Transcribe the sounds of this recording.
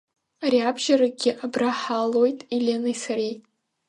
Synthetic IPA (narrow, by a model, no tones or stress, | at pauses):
aɾiabʒaɾaɡʲɪʔabraħalo̞jtʼilʲenɨjsaɾej